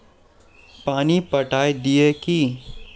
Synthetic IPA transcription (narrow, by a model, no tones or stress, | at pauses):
paːnipɐʈaːed̪ieki